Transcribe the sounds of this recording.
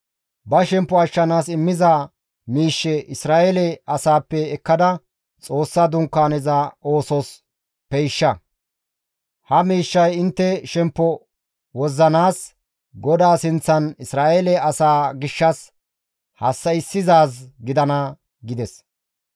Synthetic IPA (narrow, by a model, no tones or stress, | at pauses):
bɐʃɛmpːɔɐʃːɐnaːsɪmːɪza | miːʃːɛʔɪsɾaːʔelɛɐsaːpːɛːkːɐd̪ɐ | t͡sʼo̞ːsːɐd̪ʊŋkːaːnɛzɐo̞ːsɔs | pɛjʃːɐ | hɐmiːʃːɐjɪnt̪ːɛʃɛmpːɔ | wɔzːɐnaːs | ɡɔd̪aːsɪnt͡sːɐnɪsɾaːʔelɛɐsaːɡɪʃːɐs | hɐsːɐɪsːɪzaːsɡɪd̪ɐnɐ | ɡɪd̪ɛs